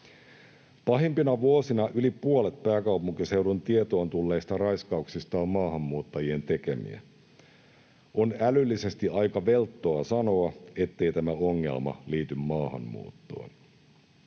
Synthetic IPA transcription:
pɑɦempinɑʋuosinɑʔylipuole̞t̪pæːkɑuwpuŋkise̞wdunt̪iet̪o̞ːnt̪ulːe̞ːst̪ɑrɑjskɑuksist̪ɑːmmɑːɦɑmːuːt̪ːɑjie̞nt̪e̞kemḭæ̰ | ʔonælylːise̞st̪iɑjkɑʋe̞lt̪ːo̞ɑsɑno̞ɑe̞t̪ːe̞ijt̪æmæo̞ŋːḛlmɑ̰liːt̪ymːɑːhɑ̰mːṵːt̪ːo̞̰ːn

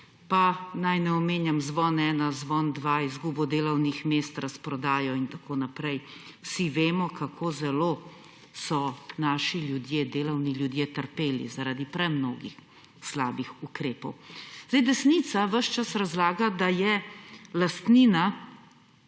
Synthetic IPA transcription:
panajnɛɔmeːnjamzʋɔnɛːnazʋɔnd̪ʋaːizɡuːbɔd̪eːlɔwnixmeːst̪ɾaspɾɔd̪aːjɔint̪akʰonapɾɛjwsiʋeːmɔkakʰoːzɛloː | sɔnaːʃiljud̪jeːd̪eːlɔwniljud̪jeːt̪əɾpeːlḭzaɾaːd̪ipɾɛmnoːɡḭx | slaːbixukɾeːpɔ̰wz̥d̪ɛjd̪ɛsnit̪saʋəʃt͡ʃasɾazlaːɡad̪ajɛlast̪niːna

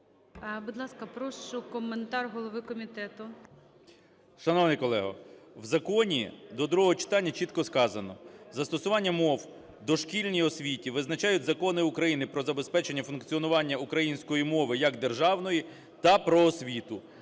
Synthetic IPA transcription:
bud̪lˠɑskɐpɾɔʃt͡ʃʊkɔment̪ɑrɦɔlˠɔʋɪkɔmʲit̪ɛt̪ʊ | ʃɐnɔwnɪjkɔlˠɛɦɐ̰wzɐkɔnʲḭd̪ɔd̪ɾuɦɔɦɔt͡ʃɪ̥t̪ɑnʲːɐt͡ʃit̪kɔskɑzɐnɔ̰zɐst̪ɔsʊʋɑnʲːɐmɔw | d̪ɔʃkʲilʲnʲijɔsʲʋʲitʲiʋɪznɐt͡ʃɑjʊtʲzɐkɔnɪukɾɐjinɪpɾɔzɐbespɛt͡ʃe̞nʲːɐfʊnkt͡sʲiɔnʊʋɑnʲːɐukɾɐjinʲsʲkɔjimɔʋɪjɐɡd̪erʒɑwnɔji | t̪ɐpɾɔːsʲʋʲit̪ʊ

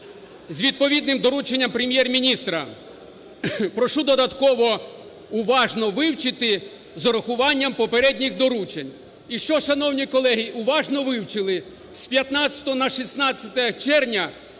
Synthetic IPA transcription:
zʲʋʲid̪̚pɔʋʲid̪nɪmd̪ɔɾut͡ʃenʲːɐmpɾemʲjɛrmʲinʲist̪ɾɐ | pɾɔʃud̪ɔd̪ɐt̪kɔʋɔ | ʊʋɑʒnɔʋɪwt͡ʃɪt̪ɪ | zɔɾɐxʊʋɑnʲːɐmpɔpeɾɛd̪ʲnʲixd̪ɔɾut͡ʃenʲ | iʃt͡ʃɔʃɐnɔwnʲikɔlˠɛɦiʔʊʋɑʒnɔʋɪwt͡ʃɪlˠɪ | sʲpʲjɐt̪nɑt͡sʲɐ̥t̪ɔɔnɐʃisnɑt͡sʲɐt̪ɛt͡ʃɛrnʲɐ

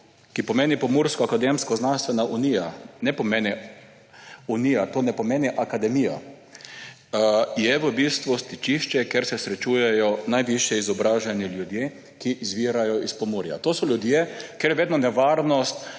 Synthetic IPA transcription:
kipɔmeːnipɔmuːɾskɔakad̪emskɔznanst̪ʋɛnaʔunijanɛpɔmeːni | unijat̪oːnɛpɔmeːniʔakad̪ɛmija̰ | jɛʋəbist̪ʋust̪it͡ʃiʃt͡ʃɛkeɾsɛsɾɛt͡ʃujɛjɔnajʋiʃjɛizɔbɾaːʒɛniljud̪je | kiʔizʋiɾajɔispɔmuɾja̰t̪oːsɔljʊd̪jekeɾjʋeːd̪nɔnɛʋaɾnɔst̪

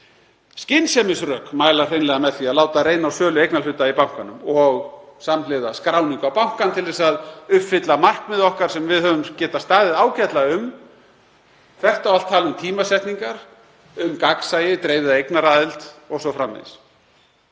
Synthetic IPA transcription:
scɪnsɛmɪsrœːkmaːjlḁrenlɛɣamɛðθviaðlaːwt̪aɾeːjnawsœːlʏejknalʏːt̪ːaipawŋ̥kanʏmɔɣsamleðaskɾaːwniŋkawpawŋ̥kant̪ʰɪlðɛsaðʏhpfɪt̪lamar̥kmɪðɔhkaɾ̥sɛmvɪðhœːvʏmcɛːt̪ast̪aːðɪðaːwcɛt̪laʏm | θɛht̪awal̥t̪ʰːaːlʏmt̪ʰiːmasɛht̪niŋkaɾ̥ | ʏmkaksaːjɪt̪ɾejvɪðaejknaɾaːðɪlt̪ɔɣsɔfɾamːḛs

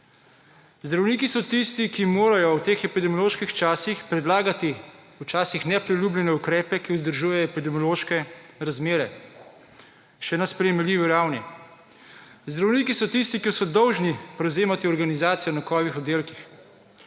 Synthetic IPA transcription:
zd̪ɾawniːkisɔt̪ist̪ikimoːɾajɔwt̪eːxɛpid̪ɛmijɔloːʃkixt͡ʃaːsixpɾɛd̪laːɡat̪i | wt͡ʃaːsixnɛpɾiljuːblʲjɛnɛukɾɛːpɛkiʊzd̪əɾʒuːjɛɛpid̪ɛmijɔloːʃkɛɾazmeːɾɛ | ʃɛnaspɾɛjɛmɛliːʋiɾawni | zd̪ɾawniːkisɔt̪ist̪ikisɔd̪ɔwʒnipɾɛwzeːmat̪iɔɾɡanizaːt̪sijɔnakɔːʋixɔd̪eːlkix

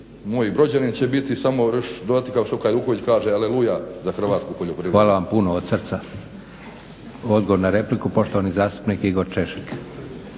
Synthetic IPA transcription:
moːjbɾo̞d͡ʑanint͡ɕebit̪isamoɾʃd̪od̪at̪ikaoʃt̪okajluːkoʋit͡ɕkaːʒealelujazaxr̩ʋaːt̪skupoʎopɾiʋaːlaʋampunood̪srt̪sa | o̞d̪ɡoʋoɾnaɾe̞plikupo̞ʃt̪oʋanizaːst̪u̥pnikiɡo̞ɾt͡ʃe̞ʃi̥k

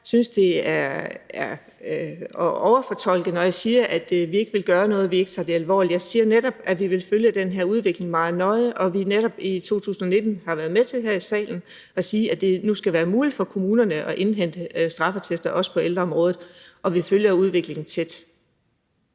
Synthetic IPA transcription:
synsd̥e̝æɐæɐ | ɒʊɐfɒt͡sʰɒ̽l̰ɡ̥ð̩ˠnɒ̽jɑ̈ɪsiːɐʔæd̥ʋie̝ɡ̥əʋe̝lɡ̥ɶːɐnɔ̽ːð̞̩ˠʋie̝ɡ̥ət͡sʰɑ̈ːd̥e̝ælʋɒ̰ːlid̥jɑɪsiːɐned̥ɒ̽b̥̚æʋiʋe̝lføljəd̥enɦeɐuð̞ˠʋe̝ɡ̥le̝ŋmɑ̈ːð̩ˠnɒ̽ɪʔɒ̽ʋineɾ̥ɒ̽b̥it͡sʰo̝̰ːt͡sʰṵːsn̩ɒne̝d̥n̩hɑ̈ʋæɐð̞ˠmet͡sʰe̝lɦeɐ̰isɛ̰ːln̩ | ʔɒ̽siːæd̥e̝nusɡ̥æʋæːɐmuːlid̥fɒ̽kʰo̝muːnɐnəʔɒ̽ʔe̝nɦen̰d̥əsd̥ʁɑ̈fɐt͡sʰesd̥ɐʔɒ̽sə̥pʰɒ̽eld̥ʁɐɒ̽mʁɔ̽ːð̩ˠʔɒ̽ʋiføljɐuð̞ˠʋe̝ɡ̥le̝ŋn̩t͡sʰed̥

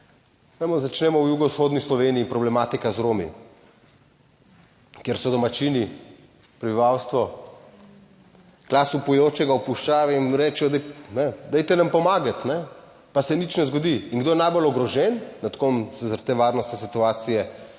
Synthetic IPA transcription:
ʋɛmɔzat͡ʃnɛːmɔwjuɡɔwsxoːd̪nislɔʋeniːpɾɔblɛmat̪ikazɾoːmḭ | kjeɾsɔd̪ɔmat͡ʃini | pɾɛbiʋawst̪ʋɔ | klaːsupujoːt͡ʃɛɡaupuʃt͡ʃaːʋɛinɾɛt͡ʃɛjɔd̪ɛnɛd̪ɛjt̪ɛnampɔmaːɡat̪nɛ | pasɛnit͡ʃnɛzɡɔd̪iːnɡd̪oːjɛnajbolɔɡɾɔʒɛnːat̪komsɛzaɾt̪eːʋaːɾnɔst̪nɛs̬it̪uaːt̪sijɛ

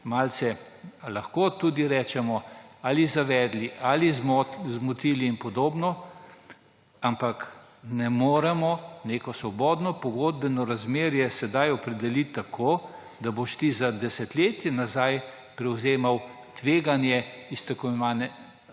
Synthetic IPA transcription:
maːlt̪sɛ | laxkot̪uːd̪iɾɛːt͡ʃɛmɔalizaʋɛːd̪liʔalizmzmut̪iliːnpɔd̪oːbnɔ | ampak | nɛmoːɾɛmɔneːkɔsʋɔbɔːd̪nɔpɔɡoːd̪̚bɛnɔɾazmeːɾjɛsɛd̪ajɔpɾɛd̪ɛlit̪ːakʰoː | d̪aboʃt̪izad̪ɛsɛt̪leːt̪jɛnazaj | pɾɛwzeːmaw | t̪ʋeːɡanjɛist̪ɛkɔʋanɛ

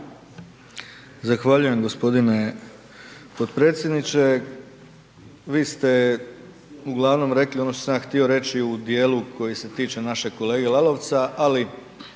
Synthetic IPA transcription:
zaxʋaʎuje̞mɡo̞spo̞d̪ine̞ | pod̪pɾe̞ːt̪sʲjed̪nit͡ʃe̞ | ʋiːst̪e̞ | uɡlˠaʋno̞mɾe̞klio̞no̞ʃt̪osamjaxt̪io̞ɾe̞t͡ʃiud̪je̞ːlukʰo̞jise̞t̪iːt͡ʃe̞naʃe̞ko̞le̞ːɡelˠalo̞ʋt̪saʔali

